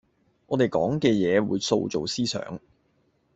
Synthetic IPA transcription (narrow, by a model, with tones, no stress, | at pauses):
ʔɔː˨˧t̪e˨jkɔː˨˥ŋkɛː˧jɛː˨˧wuː˨˧jso̰˧wt͡so˨˩wsiː˥sœ̰ː˨˥ŋ